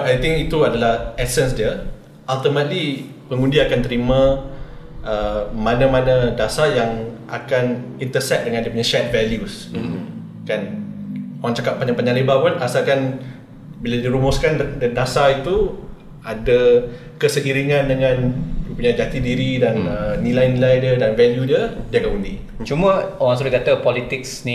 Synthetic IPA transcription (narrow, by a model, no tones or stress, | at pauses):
ajt̪ɪŋkit̪uadalahʔɛsɛnsdiə | ʔalt̪əmə̃t̪li | pəŋundiakant̪əɾimã | ʔəmãnãmãnadasajaŋʔakanint̪əsɛt̪̚dəŋãndiəpuɲajʃɛt̪̚vɛljus | kan | oɾaŋt͡ʃakap̚pːaɲãpəɲãlebapunasakan | biladiɾumʊskandədasait̪u | ada | kəsəɡiɾiŋãndəŋãndipuɲajd͡ʒat̪idiɾidanənilajnilajdədanvɛljudədiakanundi | t͡ʃumə̃owaŋs̬ulukat̪əpɔlit̪ɪk̚sni